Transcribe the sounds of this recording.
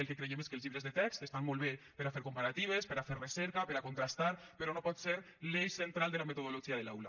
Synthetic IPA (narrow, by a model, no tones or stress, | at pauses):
elkekɾejemeskelˠzʎiβɾezðet̪ɛkst̪est̪anmolˠβepeɾafeɾkompaɾat̪iβespeɾafeɾreseɾkapeɾakont̪ɾast̪aɾpeɾɔnopɔt̪seɾ | lejsent̪ɾald̪elamet̪oðoloʒiaðelawla